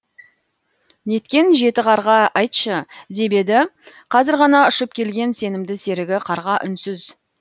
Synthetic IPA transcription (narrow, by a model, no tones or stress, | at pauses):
ne̞t̪kʲe̞nʒe̞t̪ɪqʰɑɾʁɑɑjt̪ʃəd̪e̞be̞d̪ɪ | qʰɑzɪɾʁɑnɑʊʃəp̚kʲʰe̞lɡʲe̞nse̞nɪmd̪ɪse̞ɾɪɡʲɪqʰɑɾʁɑʔʏnsʏz